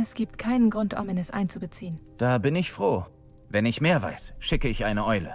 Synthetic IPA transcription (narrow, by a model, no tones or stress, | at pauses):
ɛsɡ̥iːp̚tkʰaɪnənɡʁʊntʔʊ̰mɪnɛsʔa̰ɪnt͡subət͡siːənd̥aːbɪnɪçfʁ̥oː | vɛnɪçmeːɐva̰ɪsʃɪkəɪçʔaɪnəʔɔʏlə̰